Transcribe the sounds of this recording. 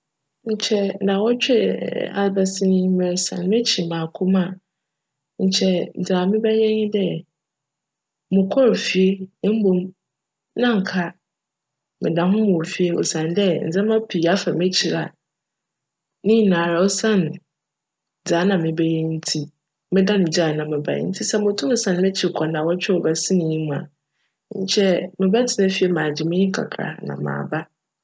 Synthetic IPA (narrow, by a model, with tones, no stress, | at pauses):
ɲ̩˨t͡ɕʰɛ˦˨nã˨wɔ˦t͡ɕᶣa̰˨lba˨sɪ˦nʊ̃˦mɛ˨ɾsã̰˨n˨mẽ˦t͡ɕʰi˨mãː˨kʰʊ˦mã˦˨ | ɲ̩˨t͡ɕʰɛ˦n̩˨d͡zaː˨mɪ̃˦bɛ˦jɛ̃˦ɲɪ̃˦dɛ˦ | mʊ̃˨kʰɔ˦ɾfi˨e˦m̩˦bõ˨m | nã˦ŋ̩˨kʰa˦ | mɪ̃˨dã˨ɦʊ̃˦mʊ̃˨fi˨e˦ɔ̰˨sã˨ndɛ˦n̩˨d͡zɛ̃˦mã˦pʰi˨a˦fa˨mẽ˦t͡ɕʰi˨ɾa˨ | nɪ̃˦˨nãː˨ɾa˨ɔ˦sã˦n˨ | d͡zaː˨˦nã˨mɪ̃˨bɛ˦ji˦n̩˦tʰi˦ | mɪ̃˦da˦nʊ̃˨d͡ʑa˦˨nã˨mɪ̃˨ba̰˨˦n̩˦tʰi˦sɛ˦mʊ̃˨tʰʊ̃˦˨sã˦n˨mɪ̃˦t͡ɕʰɪ˨kʰɔ˨nã˨wɔ˦t͡ɕᶣɛ˦ɔ˨ba˨sɪ˦nɪ̃˨ɲĩ˦mũ˨a̰˨˦ | ɲ̩˦t͡ɕʰɛ˦mɪ̃˨bɛ˦tʰɪ˨nɛ̃˦fi˨˦e˦mãː˨d͡ʑɪ˨mɪ̃˦ɪ̃˦ŋ̩˦kʰa̰˨kʰɾa̰˨ha̰˨nã̰˨mã̰ː˨ba˦